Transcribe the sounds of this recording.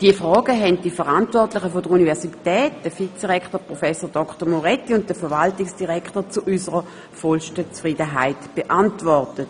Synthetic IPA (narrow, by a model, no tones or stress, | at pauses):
d̥iəfʁɔːɡəɦɛntd̥ifəʁantvɔɐtlɪχəfodəunivɛɐsitɛːt̚d̥əfit͡sd̥iʁɛkʰtəpʁɔfɛsodɔkʰtəmoʁɛtːiʊnt̚d̥əfəɐʋaltɪksd̥iʁɛkʰtət͡suʔysəʁə | fɔlʃtət͡sfʁidəɦa̰ɪtb̥eʔantvɔʁtət